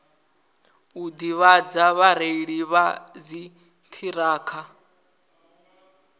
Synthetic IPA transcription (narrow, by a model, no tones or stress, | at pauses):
ud̪iβad͡zaβaɾeiɺiβad͡zi | t̪ʰiɾaːkʰa